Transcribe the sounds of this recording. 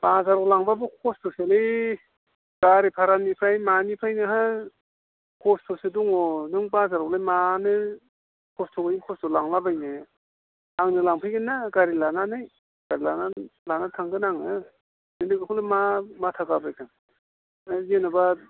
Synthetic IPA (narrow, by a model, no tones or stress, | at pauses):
b̥azaɾɔklaŋbabɯkʰɔstʰoselɯj | ɡ̥aɾipʰaɾanipʰajmanipʰajnɯɦa | kʰɔstʰoseduŋɔnɯŋbazaɾɔk̚lajmanɯ | kʰɔstʰobainkʰɔstʰɔlaŋlabajnɯ | aŋnɯlaŋpʰɯjɡɯnːaɡaɾilananɯj | ɡ̥aɾilanalanatʰaŋɡɯnaŋɯ | nɯnɯɡɯkʰulajmamatʰaɡabajkʰaŋ | jenaba